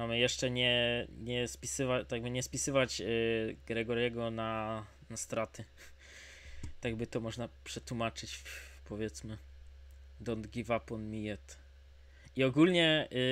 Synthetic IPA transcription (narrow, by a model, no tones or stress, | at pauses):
mamɘjɛʂt͡ʂɛɲɛɲɛspʲi̥sɘvat̪aɡ̚bɘɲɛspʲisɘvad͡ʑ | ɡɾɛɡɔɾjɛɡɔna | nast̪ɾat̪ɘ | t̪aɡbɘt̪ɔmɔʐnapʂɛt̪wumat͡ʂɘt͡ɕfpʰɔvʲjɛt̪smɘ | d̪ɔnd̪ɡʲivapɔnmʲijɛt̪ | iɔɡulɲɛ